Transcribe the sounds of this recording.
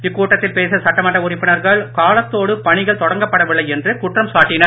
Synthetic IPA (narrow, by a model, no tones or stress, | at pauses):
ɪkːuːʈːɐt̪ːɪlpeːsɐsɐʈːɐmɐʈːɐʊɾɪpːɪnɐɾɣɐɭkaːlɐt̪ːoːɽɯpɐɳɪɣɐɭt̪ɔɽɐŋɡɐpːɐɽɐʋɪɭːɐɪɛndrɯkʊʈrɐmsaːʈːɪnɐɾ